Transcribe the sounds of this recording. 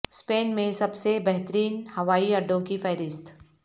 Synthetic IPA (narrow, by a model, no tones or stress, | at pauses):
speːnmẽsɐbsebɛɦt̪əɾiːnhɐʋaːiɐɖõkifɛːɾɪst̪